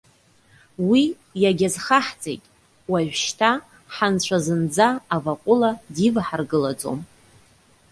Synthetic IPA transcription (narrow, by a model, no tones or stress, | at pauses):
wi | jaɡʲazχaħt͡sʼḛjtʼ | waʒʷᶣʃtʰa | ħant͡ɕʷʰazɨnd͡zaːvaqʷʼʊladivħarɡɨlad͡zʼo̰m